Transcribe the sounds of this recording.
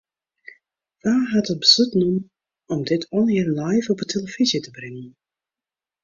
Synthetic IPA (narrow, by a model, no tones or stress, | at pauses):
ʋaːɦatət̚bəzutnum | ɔmdɪtʰɔnɪɹlajfɔpətʰeləv̥izjətəbrɪŋən